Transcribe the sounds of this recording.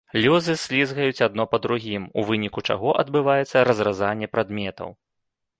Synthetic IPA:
lʲuzɨsʲlʲizɣɐjut͡sʲad̪̚nɔpɐd̪ɾuɣʲimṵvɨnʲikut͡ʂa̰ɣɔʔɐd̪̚bɨvajɛt̪sːɐɾɐzrazanʲːɛpɾad̪mʲɛt̪ɐ̰w

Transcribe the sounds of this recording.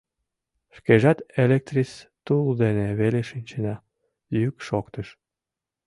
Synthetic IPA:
ʃkeʒɑt̪elek̚t̪rist̪uld̪eneβeleʃinʲt͡ɕenɑ | jykʃokt̪əʃ

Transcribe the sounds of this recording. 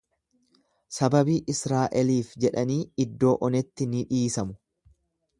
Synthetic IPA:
sɐbɐbiːʔɪsɾaːʔɛliːfd͡ʒɛᶑɐniːɪd̪ːo̞ːʔɔnɛt̪ːɪnɪᶑiːsɐmʊ̥

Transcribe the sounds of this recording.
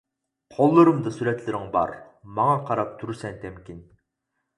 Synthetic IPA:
qʰolˠːɨɾɨmd̪ɨsuɾɛt̪lɪɾɪŋbɑ̰ɾ | mɑŋɑqʰɑɾɑp̚t̪ʰuɾsɛnt̪ʰɛmkʲin

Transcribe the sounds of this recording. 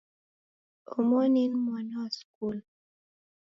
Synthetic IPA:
omoninmanɑskul

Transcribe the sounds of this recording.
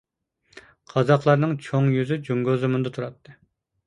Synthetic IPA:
qʰɑzɑqlˠɑɾnɨŋt͡ʃʰoŋjyzyd͡ʒuŋɡozɨmund̪ɑt̪ʰuɾɑt̪ʰːɨ

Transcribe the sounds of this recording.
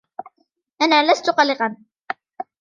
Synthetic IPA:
ʔanaːlast̪ʊqɑlɪqɑn

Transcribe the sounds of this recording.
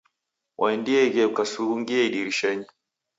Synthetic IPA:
wʔaɛndiɛɣɛukasuɾuŋɡiaiɗiɾiʃɛɲi

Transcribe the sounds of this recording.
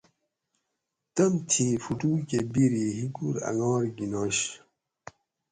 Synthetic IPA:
t̪ɐmt̪ʰiːfuʈuːkebiɾiːɦiɡuɾɐ̰ŋɑːɾɡinɑːɕ

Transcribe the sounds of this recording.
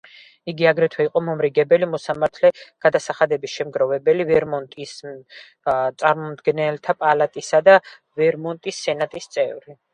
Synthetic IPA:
iɡiaɡɾɛt̪ʰwɛiqʼɔmɔmɾiɡɛbɛlimɔsamaɾt̪ʰlɛɡ̥ad̪asaχad̪ɛbisʃɛmɡɾɔvɛbɛlivɛɾmɔnt̪ʼis | t̪sʼaɾmɔmd̪ɡɛnɛlt̪ʰapʼalat̪ʼisad̪a | vɛɾmɔnt̪ʼisːɛnat̪ʼist̪sʼɛvɾi

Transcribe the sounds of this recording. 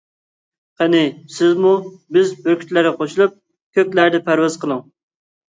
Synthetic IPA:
qɛnɪsɪzmubɪzbøɾkʲʰy̥t̪læɾɛqʰoʃulˠup̚ | kʲʰøkʲlæɾd̪ɛpʰæɾwɛz̥qʰəlˠɨŋ

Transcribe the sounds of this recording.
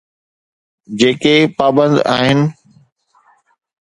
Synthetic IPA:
d͡ʑeːkepaːbə̃nd̪a̰ːɦɪnɪ̆

